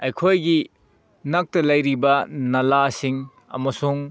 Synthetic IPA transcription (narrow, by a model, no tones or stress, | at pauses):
ɐjkʰojɡi | nɐk̚tɐlɐjɾibɐnɐlasiŋ | ɐ̰mɐsuŋ